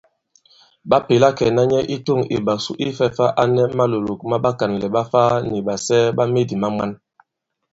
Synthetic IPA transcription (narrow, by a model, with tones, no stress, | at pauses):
ɓa˦pe˨la˦kɛ˨na˦ɲɛ˦ʔi˦to˦˨ŋḭ˨ɓa˨su˦ʔi˦fɛ˦fa˦ʔa˦nɛ˦ma˦lo˨lo˨k̚ma˦ɓa˦ka˨n˨lɛ˨ɓa˦faː˦ni˨ɓa˨sɛː˦ba˦me˦˨di˨ma˦ma˦n